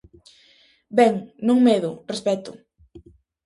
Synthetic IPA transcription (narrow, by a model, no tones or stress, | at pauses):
bɛŋnõŋmeðʊrespɛt̪ʊ̰